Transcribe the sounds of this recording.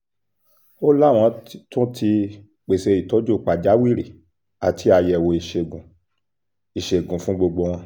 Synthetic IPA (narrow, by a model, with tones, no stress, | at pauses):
o˦la˦˨w̃ɔ̃˧˦tũ˦tʰi˧ | k͡pe˨se˧i˨tɔ˨˦d͡ʒo˦˨k͡pa˨d͡ʒa˨˦wi˦˨ɾe˨ | a˨tʰi˧˦a˨jɛ˨wo˨i˨ʃe˨ɡũ˨ | i˨ʃe˨ɡũ˨fũ˦ɡ͡bo˧ɡ͡bo˧w̃ɔ̃˧˦